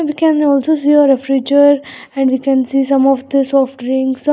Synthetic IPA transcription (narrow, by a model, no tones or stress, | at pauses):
ʋiːkɛ̃nɔːlsosiːɔɾɛfɾid͡ʒəɾ | ɛ̃ɳɖʋiːkɛ̃nsiːsʌ̃mɔʋd̪əsɔːfʈɾĩŋɡs